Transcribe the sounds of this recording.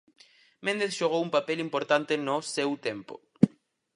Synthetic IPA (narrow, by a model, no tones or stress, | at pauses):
mẽnd̪eθʃoɣ̞owumpapɛlimpoɾt̪ant̪enosewt̪empo̰